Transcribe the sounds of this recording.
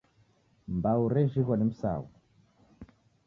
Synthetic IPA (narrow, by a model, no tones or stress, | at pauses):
mbauɾɛʒiɣwɔnim̩sa̰ːwu